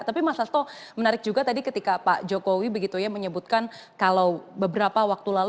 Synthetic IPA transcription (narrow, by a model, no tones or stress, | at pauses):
t̪apimasast̪ɔmənaɾɪk̚d͡ʒuɡat̪adikət̪ikapaʔd͡ʒokowibəɡit̪ujaməɲəbut̪̚kan | kalawbəbəɾapawak̚t̪ulal